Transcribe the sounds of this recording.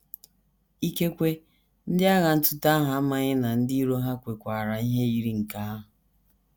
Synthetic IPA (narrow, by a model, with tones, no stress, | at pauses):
i˦ke˦kʷe˦ | n̩˦dɪ˦a˦ɣa˨n̩˦tʊ˦ta˦ɦa˨˦ma˦ɲɪ˦na˨n̩˦di˦i˦ɾo˦ɦa˦kʷe˨kʷa˨ɾa˨i˦ɦe˦i˦ɾi˦ŋ̩˨ka˦a˦ɦʊ˨